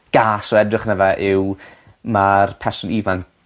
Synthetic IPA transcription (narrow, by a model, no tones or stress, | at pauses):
ɡ̥aːsɔɛdrɪχnɛvɛʔɪw | marpʰɛrsʊnivan